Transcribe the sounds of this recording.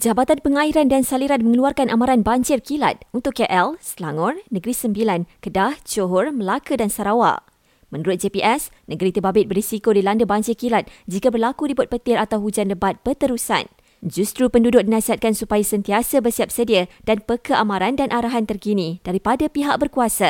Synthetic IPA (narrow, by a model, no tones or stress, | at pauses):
d͡ʒabat̪anpəŋaiɾandansaliɾan̚mə̃ŋəluarkanʔamãɾanbaɲd͡ʒɪrkila̰t̪̚unt̪ʊkːɛʔɛlslaŋɔrnə̃ɡɾisəmbilankədaht͡ʃoɦʊrməlakədansaɾawa̰ | mə̃nuɾʊt̪̚d͡ʒepiʔɛs | nə̃ɡəɾit̪əbabɪt̪̚bərisikodilandəbaɲd͡ʒɪrkilat̪̚d͡ʒikabərlakudibʊt̪̚pət̪ɪɾat̪awɦud͡ʒanləbat̪̚bət̪əɾusa̰n | d͡ʒust̪ɾupəndudʊk̚dinasiɦat̪̚kansupajasənt̪iasabərsiap̚sədiad̥anpəkəʔamãɾandanʔaɾaɦant̪ərkinĩd̥aɾipadapiɦak̚bərkuasa